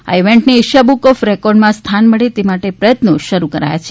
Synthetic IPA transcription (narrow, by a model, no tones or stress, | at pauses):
a̰iʋɛɳʈneɪʃabukɔfɾɛkɔɾɖmãst̪ʰanməɭet̪emaʈepɾəjət̪noʃəɾukəɾa̰ja̰t͡ʃʰe̥